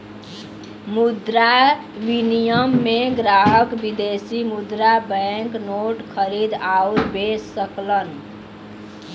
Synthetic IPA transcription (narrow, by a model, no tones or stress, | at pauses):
mud̪ɾa | ʋinijəmːeɡɾaɦəkbid̪esimud̪ɾabəŋknoʈkʰəɾid̪auɾbesːəklən